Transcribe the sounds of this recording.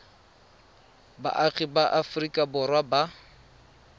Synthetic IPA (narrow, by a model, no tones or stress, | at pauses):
ba̰ʔaɣibaʔafrikʼabʊrwaba